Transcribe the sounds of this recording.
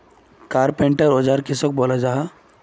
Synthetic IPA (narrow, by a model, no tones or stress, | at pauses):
kaːɾpeɳʈəɾod͡ʒaɾkɪsɔk̚boːlad͡ʒaːɦa